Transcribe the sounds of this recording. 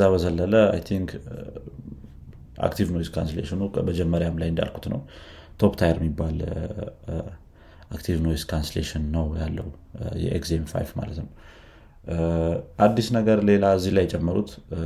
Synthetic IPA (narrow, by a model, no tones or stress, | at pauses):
zaβəzəlːələa̰jt̪ʰiŋkʰ | ʔa̰kt̪ʰivnojskɾanslḛʃɪnubəd͡ʒɛmːəɾjamlajɨnd̪a̰lkʰu̥t̪nə̰w | t̪ʰo̞pt̪ʰajɾjɛmːibːal | ʔakt̪ʰivno̞jskʰanslḛʃɪnːəwjalːəwu | jɛ̰ʔḛkzemfa̰jfma̰lət̪nəw | ʔad̪ːisnəɡəɾle̞laɨzːihlajɛt͡ʃʼɛmːəɾut̪